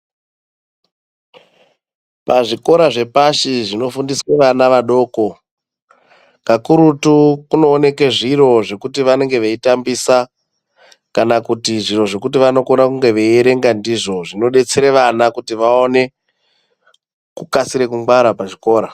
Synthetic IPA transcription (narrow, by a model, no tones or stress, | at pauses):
paʐiko̞ɾaʐe̞paʃiʐino̞fundisweʋanaʋaɗo̞ːko̞ | kakuɾutukuno̞ːne̞keʐiro̞ʐe̞kutiʋane̞ŋɡe̞ʋeitambisa | kanakutiʐiro̞ʐe̞kutiʋano̞ko̞nakuŋɡe̞ʋeieɾe̞ŋɡandiʐo̞ʐino̞ɗe̞t͡seɾeʋanakutiʋaone̞ | kukasiɾekuŋɡwaɾapaʐiko̞ːɾa